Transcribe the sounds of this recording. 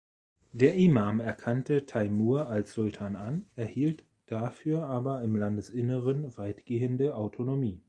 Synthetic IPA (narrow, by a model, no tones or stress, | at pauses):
d̥eːɐʔimaːmɛɐkʰantətʰaɪmuːɐʔalsz̥ʊltʰaːnanɛɐhiːlt | d̥afyːɐʔaːbɐɪmlandəsʔɪnəʁənvaɪtɡ̥eːəndəʔaʊtʰonomiː